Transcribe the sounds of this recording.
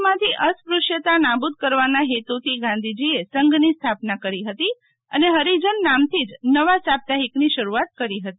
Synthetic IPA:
mãt̪ʰiʔəspɾuʃjət̪anabud̪̚kəɾʋanaɦet̪ut̪ʰiɡãnd̪ʱid͡ʒiesəŋɡnist̪ʰapnakəɾiɦət̪i | ə̰neɦəɾid͡ʒənːamt̪ʰid͡ʒnəʋasap̚t̪aɦikniʃəɾuat̪̚kəɾiɦət̪i

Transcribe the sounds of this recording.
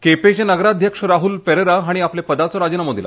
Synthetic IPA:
kepet͡ɕenəɡɾad̪ʱjəkʂəɾaɦulpeɾeɾaɦaɽ̃iaplepəd̪at͡sɔɾad͡ʑənamod̪ʱila̰

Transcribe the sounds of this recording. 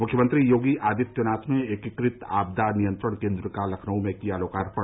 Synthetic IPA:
mʊkʰjəmə̃nt̪ɾijoːɡiʔaːd̪it̪ːjonaːt̪mẽekɪkɾɪt̪a̰ːb̚d̪anijə̃nt̪ɾəɽ̃kẽːnd̪ɾəkalɐkʰnəõmẽkialoːkaːɾpɐ

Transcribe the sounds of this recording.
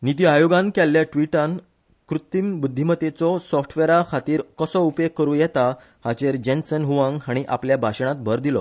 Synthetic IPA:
nit̪̬iajoɡãnkɛlːjaʈʋiʈãn | kɾut̪imbud̪ʱːimət̪et͡sɔsɔfʈʰʋeɾakʰat̪iːɾkəsɔupekəɾũjɛt̪a | hat͡ɕeɾd͡ʑensənɦuʋãŋɡɦaɽ̃iʔa̰pljabʱaɕɳ̃at̪̚bʱəɾd̪ilɔ̰

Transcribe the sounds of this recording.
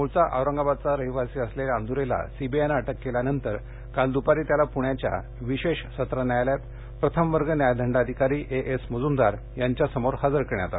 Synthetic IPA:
muɭt͡saʔa̰wɾəŋɡabad̪̚t͡saɾəɦiʋasiːəsleland̪ʱuɾela̰sibienaʈəkːeljanənt̪əɾ | kald̪upaɾiːt̪jalapuɳjat͡ɕja̰ | ʋiɕeɕsət̪ɾənjajljat̪ | pɾət̪ʰəmʋəɾɡənjajd̪ʱəɳɖad̪ʱikaɾiːʔeʔesməd͡zumd̪aɾ | jaɲt͡ɕjasəmoɾhad͡zəɾkəɾɳjat̪a

